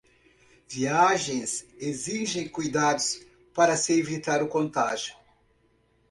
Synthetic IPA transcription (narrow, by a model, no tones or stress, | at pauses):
viaʒẽj̃seziʒẽj̃kujd̪ad̪ʊs | paɾɐsɪevit̪aɾʊkõnt̪aʒjʊ